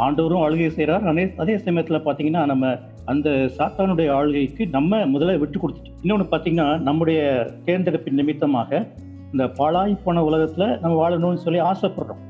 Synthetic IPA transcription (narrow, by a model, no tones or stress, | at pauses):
aːɳɖɐʋɐɾʊ̃aːɻɯɣɐjsɛjɾaːɾɐneːɐðeːsɐmɐjɐt̪ːɪlɐpaːɾt̪iːŋɡɐnːaːnɐmːɐ | ɐnd̪ɐsaːt̪aːnɯɽɐjɐaːɻɯɣɐɪkːɯnɐmːɐmʊðɐlɐʋɪʈːɯkːɔɽɯt̪ːɯʈːɯ̥ɪnːɐɔnːɯpaːɾt̪iːŋɡɐnːaːnɐmːɯɽɐjɐkeːɾnd̪ɐɾɐpːɪnnɪmɪt̪ːɐma̰ːɣɐ | ɪnd̪ɐpɐɭaːjpːoːɳɐʊɭɐɣɐt̪ːɪlɐnɐmːɐʋaːɭnoːnːɯsɔlːiaːsɐpːɔɽɾʊ̰̃